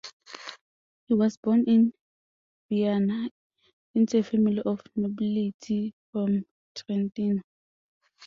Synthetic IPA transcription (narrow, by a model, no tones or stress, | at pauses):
hiwɔsbɔnɪn | v̥iana | ɪnt͡sefɛmiliʔɔfnobilitʰifɹɔm | tʰɹɛntin